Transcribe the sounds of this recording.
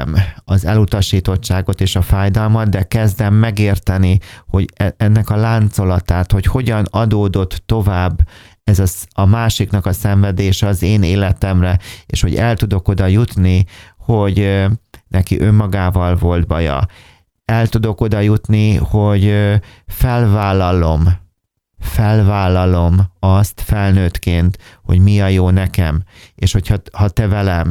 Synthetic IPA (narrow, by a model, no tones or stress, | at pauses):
mɒzɛlut̪ɒʃiːt̪o̞t͡ʃt͡ʃːaːɡo̞t̪eːʃɒfaːjd̪ɒlmɒd̪̚d̪ɛkɛzd̪ɛmːɛɡeːrt̪ɛniho̞ɟɛnːɛkɒlaːnt̪so̞lɒt̪aːt̪ho̞cho̞ɟɒnɒd̪oːd̪o̞t̪ːo̞vaːbː | ɛzɒsɒmaːʃiknɒkɒsɛɱvɛd̪eːʃɛɒzeːneːlɛt̪ɛmrɛḛːʃho̞ɟɛlt̪ud̪o̞ko̞d̪ɒjut̪niho̞ɟ | nʔɛkḭʔø̞mːɒɡaːvɒlvo̞ld̪bɒjɒ̰ | ɛlt̪ud̪o̞ko̞d̪ɒjut̪niho̞ɟ | fɛlvaːlːɒlo̞m | fɛlvaːlːɒlo̞mɒst̪fɛlnøːt̪keːnt̪ho̞̰ɟmiɒjoːnɛkɛm | eːʃho̞chɒhɒt̪ɛvɛlɛm